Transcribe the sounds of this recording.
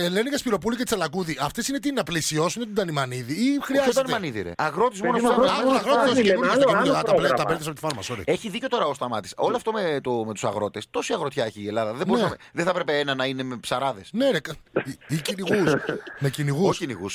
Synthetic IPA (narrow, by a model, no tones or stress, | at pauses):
eleniɣɐspiɾo̞pulicei̥t͡sɐlɐkuðiʔɐft̪esinet̪̬inɐplisio̞sunet̪id̪ɐnimɐniðiixɾiɐzed̪ɐnimɐniðiɾḛʔɐɣɾo̞t̪izmonosɐɐɣɾot̪ezɐinunɐɐinuɐt̪ɐplet̪ɐpelt̪sɐpot̪fɐɾmɐsoɾḭe̞çiðico̞t̪o̞ɾɐost̪ɐmɐt̪iso̞loɐft̪omet̪omet̪u̥sɐ̰ɣɾo̞t̪e̞st̪o̞siɐɣɾot̪çɐeçiːelɐðɐðebboɾuesɐmeðeθɐpɾepeenɐnɐine̞mepsɐɾɐðesnenekiciniɣusmeciniɣusinḭɣus